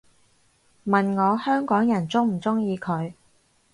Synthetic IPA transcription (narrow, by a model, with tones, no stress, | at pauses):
mɐ˨nŋɔː˨˧hœː˥ŋkɔː˨˥ŋjɐ˨˩nt͡sʊ˥ŋm̩˨˩t͡sʊ˥ŋjiː˨˧kʰɵ˨˧ɥ